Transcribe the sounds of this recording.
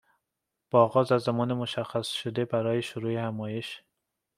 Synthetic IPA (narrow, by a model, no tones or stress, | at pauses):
b̥ɒːɣɒːzæzːæmɒːnemoʃæxːæsʃod̪ebæɾɒːjeʃʊɾuːehæmɒːjeʃ